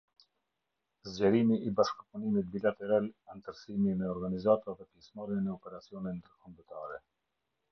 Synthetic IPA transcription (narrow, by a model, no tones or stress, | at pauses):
zd͡ʑɛɾimiʔːbaʃkpunimit̪̚bilat̪ɛɾalant̪əɾsimimɛɔɾɡanizat̪aðɛpjɛsmaɾjɛnɛɔpɛɾat͡sijɔnɛnd̪əɾkɔmbət̪aɾɛ